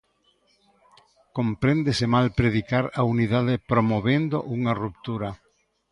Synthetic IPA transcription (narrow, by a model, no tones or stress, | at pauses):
kompɾend̪esemalpɾeðikaɾauniðaðɪpɾomoβend̪oʔuŋarup̚t̪uɾa